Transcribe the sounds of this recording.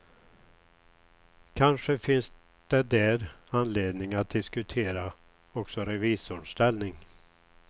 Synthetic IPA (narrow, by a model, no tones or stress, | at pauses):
kʰanʂəfɪns | d̪̥ɛd̪ɛɾanleːd̪nɪŋat̪̚d̪ɪskɵt̪ʰeːɾa | ɔksɔɾɛviːsʊɳʂt̪ɛlnɪŋ